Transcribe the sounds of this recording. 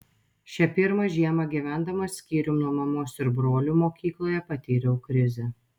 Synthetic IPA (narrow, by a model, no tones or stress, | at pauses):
ʃʲɛpʲɪɾmɐʒʲiɛmɐɡʲiːˑʋʲæˑnd̪ɐmɐsʲkʲiːɾʲuːnuɔmɐmoːsɪɾbɾoːlʲuːmoːkʲiːklˠoːjɛpɐt̪ʲiːɾʲɛʊkɾʲɪzʲɛ